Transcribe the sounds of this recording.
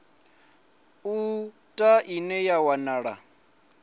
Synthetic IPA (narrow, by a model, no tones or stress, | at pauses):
u | tʼaʔinɛjawanaːɺa